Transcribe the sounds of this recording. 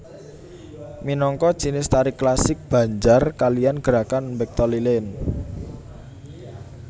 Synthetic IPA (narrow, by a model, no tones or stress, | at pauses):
minɔŋkɔ̥t͡ʃinɪst̪aɾiklasɪk̚b̥ä̤ɲd͡ʒarkalijanɡ̥əɾakanmbɛk̚t̪ɔlilɛn